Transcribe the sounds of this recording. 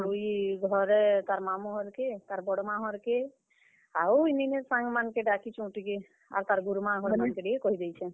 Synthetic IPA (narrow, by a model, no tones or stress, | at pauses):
uiɡʱɔɾɛt̪aɾmamuɦɔɾket̪aɾbɔɽɔmaɦɔɾke | awinineɾsãŋɡmankeɖakit͡ʃũʈike | a̰ɾt̪aɾɡuɾumãɦɔɾmankeɖiekɔɦid̪ɛjt͡ʃʰɛ